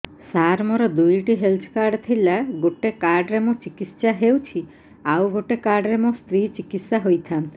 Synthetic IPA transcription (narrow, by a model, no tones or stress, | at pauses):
saɾmɔɾɔd̪ujʈiɦelt̪ʰkaɾɖt̪ʰilaɡoʈekaɾɖɾemũt͡ʃikit̪saɦewt͡ʃʰi | awɡoʈekaɾɖɾemũst̪ɾit͡ʃikit̪saɦojt̪ʰant̪i